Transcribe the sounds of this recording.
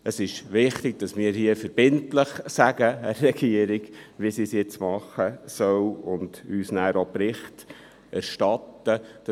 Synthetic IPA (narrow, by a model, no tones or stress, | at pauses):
əsɪʃʋɪχt̪ɪɡ̚d̥ɑsmɪːɾhiəfəɾb̥ɪntləχsæɡəæːɛɡiəɾɪɡ̥ʋiəsisjɪt͡smɑχːəsœwʊnd̪̥yːsnæːɾopɾɪχt | ʔæɾʃtɑt̪ːəd̥